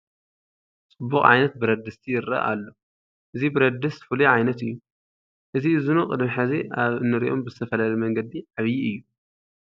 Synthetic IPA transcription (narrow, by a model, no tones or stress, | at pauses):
t͡sʼɨbːukʼʕa̰jnɐt̪̚bɨɾɐd̪ɨst̪ʰijɪɾɐ̰ʔʔalːo̞ | ʔɨzibɨɾɐd̪ːɨsfɨliʕajnɐt̪ɨjːu | ʔɨziɨzunuqʼɨd̪miħɨziʔaβɨnːɨɾḭʔo̞mbɨzɨt̪ʰɐfɐlalɐjmɐŋɡɐd̪iʕaβjiʔɨjːu